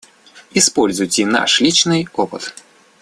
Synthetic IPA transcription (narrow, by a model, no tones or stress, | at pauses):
ispɔlʲzujtʲɪna̰ʂlʲit͡ʃnɨjɔpɨt̪